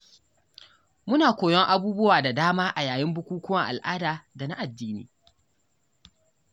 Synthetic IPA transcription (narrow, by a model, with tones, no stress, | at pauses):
mʊ˦naː˨kʷoː˨jɔ˦ŋʔa˦buː˦bʊ˦waː˨da˨daː˦maː˦ʔa˨jaː˨jɪ˦mbʊ˦kʷuː˦kʷʊ˦wɐ˦ŋʔa˨lʔaː˦daː˨da˨na̰˦ʔa˨dːiː˦nḭː˨